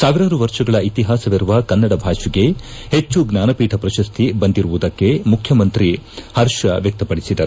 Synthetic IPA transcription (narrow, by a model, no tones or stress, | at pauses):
saːʋiɾaːɾuʋɐɾʂɐɡɐɭɐit̪iɦaːsɐʋiɾuʋɐkɐnːɐɽɐbʱaːʂiɡe̞het͡ʃːuɡnaːnɐpiːʈʰɐpɾɐʃɐst̪ʰibɐnd̪iɾuʋud̪ɐkːe̞mukʰjɐmɐnt̪ɾihɐɾʃɐʋjɐk̚t̪ɐpɐɽisid̪ɐɾu